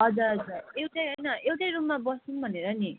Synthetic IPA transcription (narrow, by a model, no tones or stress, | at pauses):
ʌd͡zuɾʌd͡zurewʈʌjɦʌjnʌewʈʌjɾummabʌsunbʱʌneɾʌni